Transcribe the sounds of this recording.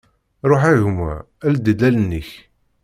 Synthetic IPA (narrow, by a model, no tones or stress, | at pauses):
ɾˤoħæʝumæ̰ | æld̪əd̪ælənːəç